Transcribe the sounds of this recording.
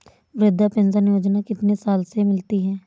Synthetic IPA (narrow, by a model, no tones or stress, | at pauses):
ʋɾɪd̪ʱːaːpɪnzaːnɪjoːd͡ʒnakɪt̪nesaːlsemɪlt̪iɦɛː